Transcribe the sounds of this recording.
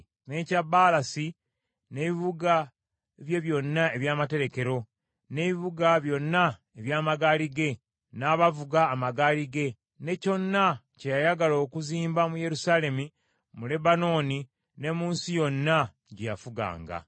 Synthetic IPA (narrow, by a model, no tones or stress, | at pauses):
ne̞ːcabalasi | ne̞ːβiβuɡa | βje̞βjo̞nːae̞βjaːmate̞ɾe̞ke̞ɾo̞ | ne̞βiβuɡaβjo̞nːa | eβjaːmaɡaːliɡe̞ | naːβavuɡaːmaɡaːliɡe̞ | ne̞co̞nːa | cejajaɡaloːkuziːmbamuje̞ɾusaːle̞mu | mule̞bano̞ːni | ne̞muːnsijo̞nːa | ɟejafuɡa̰ːŋɡa̰